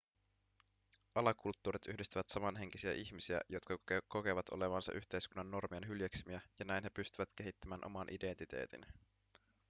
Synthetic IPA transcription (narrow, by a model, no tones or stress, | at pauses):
ʔɑlɑkult̪ːuːɾit̪yhdist̪æʋæt̪sɑmɑnɦe̞ŋk̟isiæ̰ʔiçmisiæ̰jo̞t̪kɑko̞ke̞ʋɑt̪ʰo̞̰leʋɑnsɑ̰ʔyçt̪e̞jskunːɑnːo̞rmienɦyljeksimiæjɑnæjnɦepyst̪yʋæt̪k̟e̞ɦit̪ːæmæːnʔo̞̰mɑnʔide̞nt̪it̪e̞̰ːt̪ḭn